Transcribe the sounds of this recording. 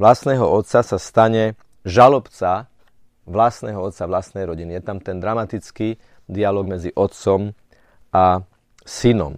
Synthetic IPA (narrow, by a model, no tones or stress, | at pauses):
ʋlasnɛːɦɔɔt̪t͡sasast̪aɲɛ | ʒalɔpt͡sa | ʋlast̪nɛɦɔɔt̪t͡saʋlasnɛjɾɔɟinijɛt̪amt̪ɛnd̪ɾamat̪it͡ski | d̪ialɔːɡmɛd͡ziʔɔt̪t͡sɔm | a | sinɔ̰m